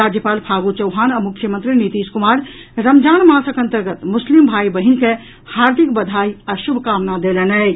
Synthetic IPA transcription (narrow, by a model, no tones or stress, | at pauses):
ad͡ʒjəpaːlpʰaːɡut͡ʃəwɦaːnɐmukʰːjəmənt̪ɾinit̪iːskumaːɾ | ɾəmd͡ʒaːnmãːsəkɐ̃nt̪əɾɡət̪mʊslimbʱaːibəɦinke | haːɾd̪ʱik̚bəd̪ʱaːiɐʃubʱkaːmnad̪elənɛ